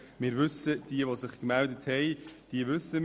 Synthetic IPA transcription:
mɪːɾvʏsəd̥iəʋosɪχkmældəthɛjd̥iəvʏsəm

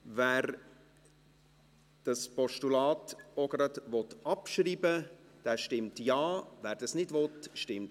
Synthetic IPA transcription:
vɛːɾ | d̥ɑspɔʃtulɑːtɔɡ̥əɾətvɔt̪ɑpʃriːbəd̥ɛːʃtɪmtjɑːvɛːɾd̥ɑsnɪdvɔtʃtɪmt

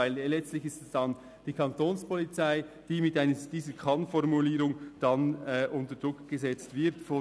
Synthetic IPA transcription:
aɪllɛt͡stlɪçɪstɛsd̥ɑn | d̥iːkʰɑntoːnspʰɔlit͡saɪ | d̥iːmɪtʔaɪnəd̥iːzəkʰɑnfɔɾmuliːɾʊŋd̥ɑnɛʔʊntəd̥ʁʊkɡ̥əzɛt͡stvɪɾtfɔ

